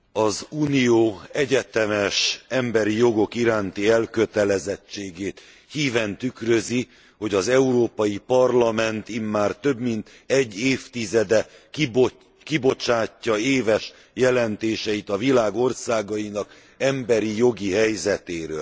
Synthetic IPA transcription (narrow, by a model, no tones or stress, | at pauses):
ɒzuːnijoːɛɟɛt̪ɛmɛʃɛmbɛɾijo̞ɡo̞kiɾaːnt̪iɛlkø̞t̪ɛlɛzɛt͡ʃːeːɡeːt̪ | hiːvɛnt̪ykrøzi | ho̞ɟɒzɛuɾoːpɒjipɒrlɒmɛnt̪imːaːrt̪ø̞bmint̪ | ɛɟːeːft̪izɛd̪ɛbo | kibo̞t͡ʃaːcːɒeːvɛʃ | jɛlɛnt̪eːʃɛit̪ɒvilaːɡo̞rsaːɡɒjinɒk | ɛmbɛɾijo̞ɡiɦɛjzɛt̪eːɾø̰ːl